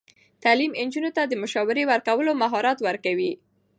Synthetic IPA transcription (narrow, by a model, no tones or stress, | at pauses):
t̪alimɪnd͡ʒunot̪ad̪əmʊʃɑwɪɾewaɾkawəlomaɦɑɾɑt̪wəɾkawi